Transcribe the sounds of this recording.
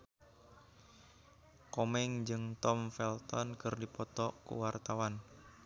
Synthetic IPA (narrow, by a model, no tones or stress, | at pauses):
komɛŋd͡ʒɨŋt̪ɔmfɛlt̪ɔnkɨrdipɔt̪ɔkṵwart̪awan